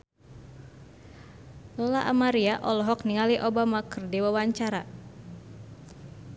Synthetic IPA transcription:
lɔlaʔamaɾiaʔɔlɔɦɔk̚niŋaliʔɔbamakɨrdiwawaɲt͡ʃaɾa

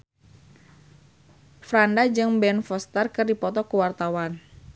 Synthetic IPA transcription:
fɾandad͡ʒɨŋbɛnfɔst̪ərkɨrdipɔt̪ɔkuwart̪awan

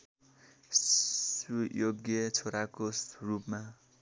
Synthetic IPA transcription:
sujoɡjʌt͡sʰoɾakosrupma

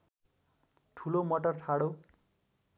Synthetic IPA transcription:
ʈʰulomʌʈʌrʈʰaɽo

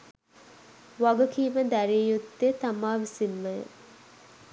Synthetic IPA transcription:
ʋɐɡɐkiːməd̪æɾiːjut̪ːet̪ɐmaːʋisimːɐjə̰

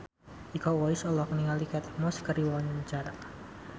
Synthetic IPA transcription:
ikɔwaisɔlɔk̚niŋalikɛt̪mɔskəɾiwaɲat͡ʃaɾa

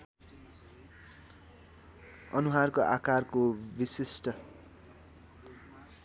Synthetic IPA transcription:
ʌnuɦarkoʔakarkobisisʈʌ

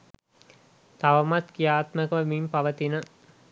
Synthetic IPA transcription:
t̪aʋəmat̪kijaːt̪məkəʋəmimpɐʋət̪inə

